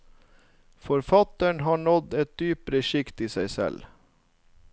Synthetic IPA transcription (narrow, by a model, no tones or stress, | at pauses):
fɔɾfɑt̪əɳɦɑːɳɔd̪ɛt̪̚d̪yːpəɾəʃɪkt̪iːsæɪsɛ̰l